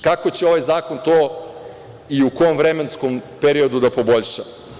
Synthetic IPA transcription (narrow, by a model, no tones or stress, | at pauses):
kakot͡ɕeo̞ʋajzaːko̞nt̪oː | iukojomvɾeme̞nsko̞mpeɾio̞d̪ud̪apo̞bo̞ʎʃa